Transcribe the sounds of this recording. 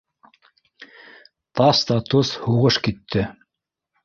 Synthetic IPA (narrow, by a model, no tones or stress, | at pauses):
t̪ɑst̪ɑt̪ushuʁɤʃkit̪ʰːɘ